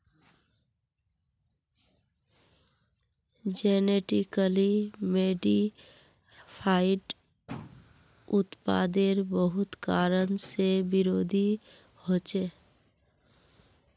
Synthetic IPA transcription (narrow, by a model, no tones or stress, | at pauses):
d͡ʒeneʈikəlimeːɖi | pʰaːɪʈ | ʊt̪pa̰ːd̪eɾbəɦʊt̪kaːɾənsebɪɾoːd̪ʱi | hoːt͡ʃe